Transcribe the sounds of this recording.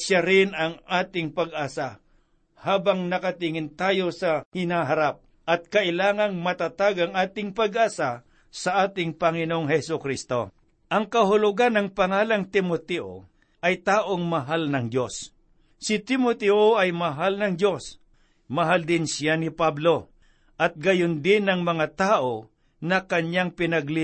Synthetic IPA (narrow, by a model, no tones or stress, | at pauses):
ʃjaɾɪnɐŋaːt̪ɪŋpɐɡʔaːsa | haːbɐŋnɐkɐt̪ɪŋɪnt̪aːjo̞sɐhɪnaɦɐɾap̚ | ʔɐt̪̚kɐʔɪlaːŋɐŋmɐt̪at̪aɡɐŋʔaːt̪ɪŋpɐɡʔaːsa | sɐʔaːt̪ɪŋpɐŋɪnoŋɦɛsʊkɾist̪o̞̰ | ʔɐŋkɐɦʊlʊɡanːɐŋpɐŋaːlɐŋt̪ɪmot̪ɛʔo̰ | ʔɐjt̪aːʔoŋmɐɦalnɐŋd͡ʒos | sɪt̪ɪmot̪ɛʔoɐjmɐɦalnɐŋd̪o̞s | mɐɦald̪ɪnsɪjanɪpablo̞ | ʔɐt̪̚ɡɐjʊnd̪ɪnɐŋmɐŋat̪aːʔo | nɐkɐɲjaŋpɪnɐɡlɪ